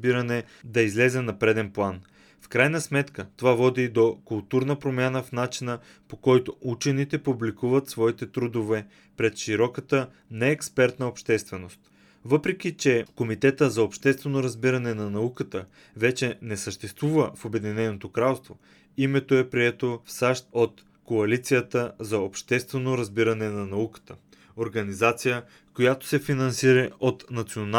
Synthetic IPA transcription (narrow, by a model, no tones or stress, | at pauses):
biɾənɛ | d̪ɐizlɛzɛnɐpɾɛd̪ɛnplˠan | fkɾajnəsmɛt̪kət̪ovavɔd̪id̪okʊlˠt̪uɾnəpɾomʲjanəfnat͡ʃinə | pokɔjt̪out͡ʃɛnit̪ɛpublikuvət̪svɔit̪ɛt̪ɾud̪ovɛ | pɾɛt̪ʃiɾɔkət̪ə | nɛːkspɛɾt̪nəopʃt̪ɛst̪vɛnost̪ | vɤpɾɛk̟ʲit͡ʃɛkomit̪ɛt̪əzɐopʃt̪ɛst̪vɛnoɾɐzbiɾɐnɛnɐnɐukət̪ə | vɛt͡ʃɛnɛsəʃt̪ɛst̪vuvəfobɛd̪inɛnot̪okɾalˠst̪vo | imɛt̪oɛpɾiɛt̪ofsaʃt̪ot̪ | koɐlit̪sijət̪əzɐopʃt̪ɛst̪vɛnoɾɐzbiɾɐnɛnɐnɐukə̥t̪ə | oɾɡɐnizat̪sijə | kojat̪o̥sɛfinɐnsiɾəot̪nɐt̪sion